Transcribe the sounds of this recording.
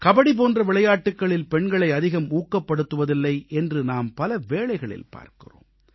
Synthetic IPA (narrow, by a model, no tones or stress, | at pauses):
kɐbɐɽip̬oːndrɐʋɪɭɐjaːʈːɯkːɐɭɪlpɛɳɡɐɭɐɪɐðɪɣɐmuːkːɐpːɐɽɯt̪ːɯʋɐðɪlːɐɪʔɛndrɯnaːmpɐlɐʋeːɭɐɪɣɐɭɪ̰lpa̰ːɾkɪ̰ro̰ːm